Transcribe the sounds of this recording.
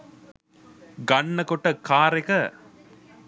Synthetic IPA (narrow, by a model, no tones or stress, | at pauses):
ɡɐɳːɐkoʈːəkʰaːɾekɐ